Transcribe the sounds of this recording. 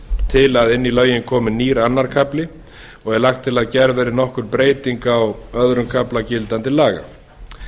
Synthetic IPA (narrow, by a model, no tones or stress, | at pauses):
t̪ʰɪlaðɪnːilœːɥjɪnkʰɔːmʏniːɾanːaɾ̥kʰaplɪ | ɔɣɛɾlaxt̪ʰːɪlaðcɛɾvɛːɾɪnɔhkʏɾpɾeːjt̪iŋkawœðɾʏmkʰaplacɪlt̪ant̪ɪlaːɣa̰